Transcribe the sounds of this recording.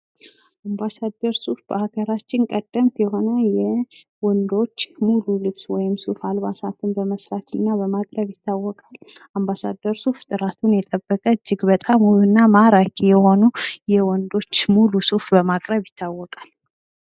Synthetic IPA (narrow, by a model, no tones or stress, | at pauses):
ʔambasad̪ːəɾsufbəhaɡəɾat͡ʃːɪnkʼəd̪ːəmt̪jɛɦo̞nəjɛ | wɔnd̪o̞t͡ʃːmululɨβswɔjɪmsufalβasat̪ʰɨnbəməsɾat̪ɨnːabəmakʼɾəβjɪt̪ːawːɔkʼalambasa̰d̪ːəɾsuft̪ʼɨɾat̪ʰunjɛt̪ʼəbːəkʼəɨd͡ʒːɪɡbət̪ʼamuβɨnːamaɾakʰʼijɛho̞nujɛwɔnd̪o̞t͡ʃːmulusufbəmakʼɾəβjɪt̪ʰːawːɔkʼal